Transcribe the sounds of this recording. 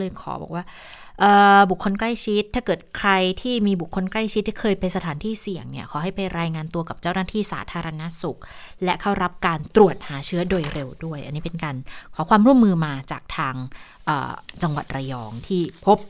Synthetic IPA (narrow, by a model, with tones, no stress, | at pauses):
lɤː˧jkʰɔ̰ː˩˦bɔ̰ː˨˩k̚waː˥˩ | ʔɤː˨˩bu˨˩kʰːo˧nkla˥˩jt͡ɕʰi˦˥t̪̚ʰːaː˥˩kɤː˨˩t̪̚kʰɾa˧jt̪ʰiː˥˩miː˧bu˨˩kʰːo˧nkla˥˩jt͡ɕʰi˦˥t̪̚ːʰi˥kʰɤː˧jpa˧nsa˧t̪ʰaː˩˦nt̪ʰiː˥˩si˨˩əŋni˥˩ɐkʰɔː˩˦ɦa˥˩jpa˧jɾaː˧jŋaː˧nt̪u˧ɐka˨˩p̚t͡ɕaː˥˩wnaː˥˩t̪ʰiː˥˩sa̰ː˩˦t̪ʰaː˧ɾa˧na˦˥su˨˩k̚lɛ˦˥kʰa˥˩wɾa˦˥p̚kaː˧nt̪ɾu˨˩ət̪̚haː˩˦t͡ɕʰɯ˦˥ɐdoː˧jɾe˧wdu˥˩əjʔa˧nːiː˦˥pe˧nkaː˧nkʰɔː˩˦kʰwaː˧mɾu˥˩˨mːɯː˧maː˧t͡ɕaː˨˩k̚t̪ʰaː˧ŋ | ʔə̰ː˨˩t͡ɕa˧ŋwa˨˩t̪̚ɾa˧jɔ̰ː˨˧ŋt̪ʰiː˥˩pʰo˦˥p̚